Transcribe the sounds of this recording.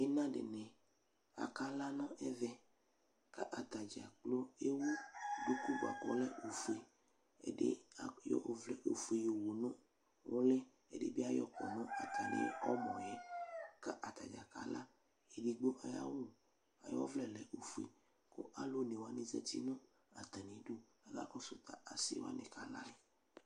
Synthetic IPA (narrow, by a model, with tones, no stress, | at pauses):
e˦nã˦ɖḛ˨nɛ̃˨ | a̰˨ka˦la˦nɔ̃˦ʔɛ˦vɛ˦ | ka˦ʔa˨t̪a˨d͡ʒa˨k͡plo˦e˦wo˦bu˦ku˦bo˨a̰˨kɔ̰˨lɛ˦ʔo˨fu˨e˨ | ɛ̰˨dḛ˦a˨jɔ̰˦˨˦vlɛ˦ʔo˨fu˨e˨jo˨wo˨nɔ̃˦ | wo˦lɛ˦ | ɛ̰˨dḛ˦bi˦a˦jɔ˦kɔ˨nɔ̃˦a˨t̪ʰa˨nḛ̃˦ɔ˦mɔ̃˨jɛ˦ka˦ʔa˨t̪a˨d͡ʒa˨ka̰˨la˦ | e˨di˦ɡ͡bo˦ʔa˨ja˦wu˦˨ | a̰˨jɔ˦vlɛ˨lɛ˨ʔo˨fu˨e˨ | ko̰˦ʔa˦lo˦ne˨wa˦nĩ˦zɛ̰˦t̪i˦nɔ̃˦ | a˨t̪a˨nĩ˨˦du˦ | a˨ɡa̰˦kɔ˦so˨t̪a˨ʔa˨sḭ˦wa̰˦nẽ˨ka˨la˦jɛ˨